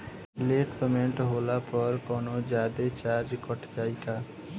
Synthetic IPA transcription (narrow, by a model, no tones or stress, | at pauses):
leːʈpemẽɳʈɦoːlapɔɾkɔnod͡ʒaːd̪et͡ʃaːɾd͡ʒkɔʈkaːika